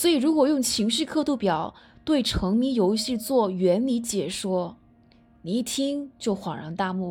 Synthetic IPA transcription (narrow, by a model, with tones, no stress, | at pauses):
swɔ˧˥i˨˩ɻu˧˥kwɔ˨˩jʊ˥˩ŋt͡ɕʰi˧˥ŋʂɻ̩˥˧kʰɤ˥˧t̪u˥˩pjɑ˨˩˦ʊt̪we˥˩ɪʈ͡ʂʰɤ˧˥ŋmi˧˥jo˧˥ʊɕi˥˧t͡swɔ˥˩ɥɛ˧˥nli˧˥t͡ɕjɛ˨˩ʂwɔ˥ | ni˧˥t̪ʰi˥ŋt͡ɕjo˥˩ʊxwɑ˨˩ŋɻɑ̰˧˥ŋt̪a˥˧mu˥˩